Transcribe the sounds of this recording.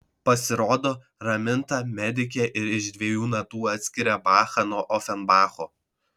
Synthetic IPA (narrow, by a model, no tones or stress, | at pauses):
pɐsʲɪɾoːd̪oː | ɾɐmʲɪnt̪ɐmʲɛd̪ʲɪk̬ʲɛːʔɪɾɪʃd̪ʲʋʲiɛjuːnɐt̪uːɐt̪ʲsʲkʲɪɾʲɛbɑːxɐnoːʔɔfʲɛnbɑːxoː